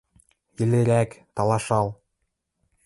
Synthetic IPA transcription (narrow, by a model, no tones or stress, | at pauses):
jĭleɾækt̪ɑlˠɑʃɑlˠ